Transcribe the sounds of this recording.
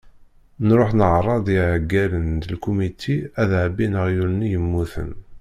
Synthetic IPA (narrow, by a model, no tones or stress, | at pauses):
nɾoħnəʕɾˤːɑd̪ˤiʕəɡːælənd̪əlkumit̪ʰiæðʕəbinəʁjuɾnːijəmːuθə̰n